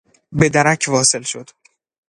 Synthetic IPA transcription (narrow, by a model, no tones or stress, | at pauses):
be̞d̪æɾæcʰvɒːse̞lʃod̪̥